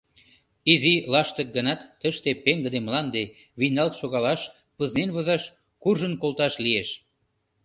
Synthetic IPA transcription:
izilɑʃt̪ə̆k̚ɡə̆nɑt̪ːəʃt̪epeŋɡə̆d̪emlɑnd̪e | βinɑlk̪ʃoɣɑlɑʃ | pəznenβɤzɑʃ | kurʒənkolt̪ɑʃlieʃ

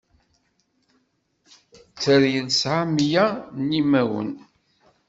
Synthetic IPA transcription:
t͡sːəɾjəlsʕamjanːimæwə̰n

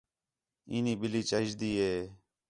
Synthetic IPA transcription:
iːniːbɪliːt͡ʃəʃd̪iːɦeː

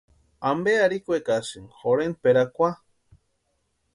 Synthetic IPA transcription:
ambeaɾikʷekasɨŋxoɾenpeɾakʷa

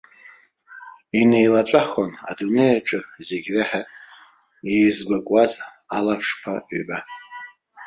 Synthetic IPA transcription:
inejlat͡ʃʷʼaχona̰dune̞jat͡ʃʷʼɨze̞ɡʲraħa | ejzɡʷakʼwaz | alapʰʂpʰa̰ba

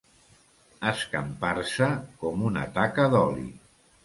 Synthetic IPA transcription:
əskəmpaɾsəkɔmunə̰t̪akəðɔlḭ

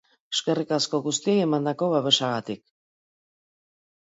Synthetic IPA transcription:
eʃkerikaskoɣust̪ieemand̪akoβaβeʃaɣat̪ik̚

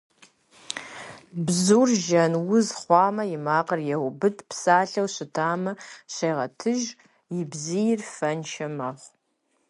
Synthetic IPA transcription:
bzuːrʒɐnwʊzχʷɑːmɐjɪmaːqɐrjɛwʊbɨdpsaːɬɐwɕɪtʰaːmɐɕejʁɐtʰɨʒ | jɪbzijɪrfɐnʃʰɐmɐχʷ

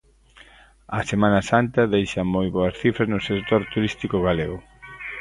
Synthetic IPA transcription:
ɐsemãnɐsant̪ɐðejʃɐmojβoɐsθifɾɐznʊsekt̪oɾt̪uɾist̪ikʊɣaleɣʊ

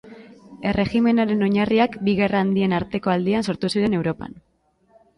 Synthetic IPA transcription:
e̞rʔe̞xime̞naɾe̞no̞ɲariakbiɣe̞raːnd̪ie̞naɾt̪e̞ko̞ald̪ianso̞ɾt̪usiɾe̞ne̞wɾo̞pa̰n

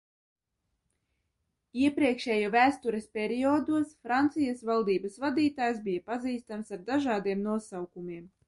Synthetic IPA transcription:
iɛpɾiɛkʃɛːjuvæːst̪uɾespʲɛɾiɔd̪uɔsfɾant̪sijasvalˠd̪iːbasvad̪iːt̪aːjsbijapaziːst̪amsaɾd̪aʒɑːd̪iɛmnuɔsawkumiɛm

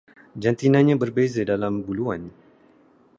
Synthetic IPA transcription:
d͡ʒant̪inãnɲãbərbezadalambuluan

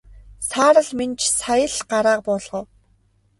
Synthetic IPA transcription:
saːɾə̆ɮment͡ɕʰsajə̆ɮɢaɾaːq̚pɔɮʁɞ̆w

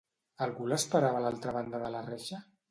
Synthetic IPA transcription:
alˠɣuləspəɾaβalalˠt̪ɾəβand̪əðəlarɛʃa

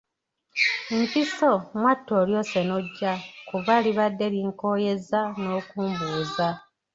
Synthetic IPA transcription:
mpiso̞mwatːoːljo̞ːse̞noɟːakuβaliβadːe̞liŋko̞ːje̞zano̞ːkuːmbuːza

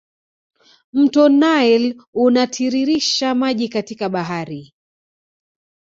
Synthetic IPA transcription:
m̩tɔnaɛlunatʰiɾiɾiʃamaʄikatikaɓaɦaɾi

